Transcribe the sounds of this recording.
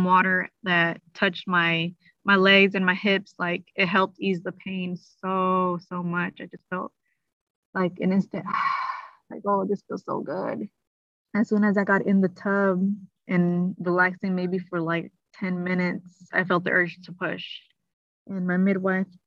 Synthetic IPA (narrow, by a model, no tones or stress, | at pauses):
mwɔɾə˞ðɨtʰʌt͡ʃt̚maɪ | maɪlɛɡzɨ̃nmaɪhɪpslaɪkɨt̚ɦɛlˠp̚tizðəpʰẽɪ̃nsoʊsoʊmʌt͡ʃaɪd͡ʒʌstfɛlˠt̚ | laɪkɨ̰̃nɪ̃nstɨ̃nt | laɪkoʊðɪsfilˠsoʊɡʊ̰d̥ | ɨz̥sʉ̃nɨzaɪɡɑɾɪ̃nðɨtʰʌb | ʔɨ̃nɹilæksɪ̃ŋmeɪbifə˞laɪk̚tʰɛ̃nmɪ̃nɨtsaɪfɛlˠt̪̚ðḭʔɜ˞d͡ʒtʰəpʰʊʃ | ʔɨ̃nmaɪmɪd̚waɪθ